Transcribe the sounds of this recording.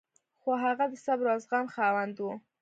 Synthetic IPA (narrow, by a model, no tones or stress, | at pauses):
xoɦaɣad̪əsabɾɑzɣamxawand̪wu